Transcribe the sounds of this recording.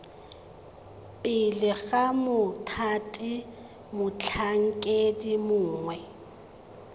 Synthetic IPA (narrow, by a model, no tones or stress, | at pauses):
pʼɪlɪɣamʊtʰatʼi | mʊt͡ɬʰaŋ̩kʼedimʊːŋwɛ